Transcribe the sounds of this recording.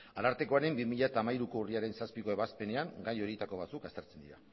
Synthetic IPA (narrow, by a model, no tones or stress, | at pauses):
alaɾt̪e̞ko̞aɾe̞mbimiʎat̪aːmajɾuko̞uriaɾe̞nsaspiko̞e̞βaspe̞ne̞aŋɡajo̞ɾit̪ako̞β̞at͡sukast̪e̞ɾt͡se̞nd̪iɾa